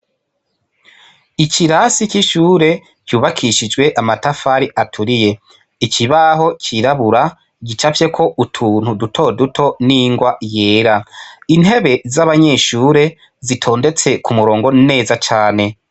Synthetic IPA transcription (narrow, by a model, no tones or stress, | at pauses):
icʰiɾasiciʃuːɾe̞ | cuːβakʰiʃid͡ʒɡwe̞ʔamatafaɾiʔatʰuɾije̞ | iciβaɦo̞cʰiɾaβuɾa | ɟit͡ʃafje̞kʰo̞ʔutʰuːn̥hudutʰo̞dutʰo̞niŋɡwaje̞ːɾain̥he̞βe̞zaβaɲe̞ʃuːɾe̞ | zitʰo̞ːnde̞t͡se̞kʰumuɾo̞ːŋɡo̞nne̞ːzat͡ʃaːne̞